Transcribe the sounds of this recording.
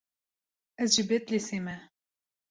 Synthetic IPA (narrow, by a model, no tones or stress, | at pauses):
ɛzʒibet̪lesemɛ